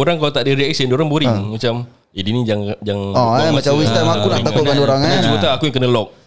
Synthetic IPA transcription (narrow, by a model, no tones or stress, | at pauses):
oɾaŋkalat̪aʔdiɾiɛksindoɾaŋboɾiŋmat͡ʃam | idinid͡ʒaŋd͡ʒaŋɔamat͡ʃawist̪amakunaʔt̪akuɡandoɾaŋaasəbət̪aakujaŋkənəlɔk̚